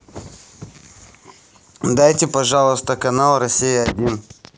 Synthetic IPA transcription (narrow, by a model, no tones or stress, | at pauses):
d̪ajtʲɪpɐʐalˠəst̪əkɐnalˠrɐsʲijəɐdʲin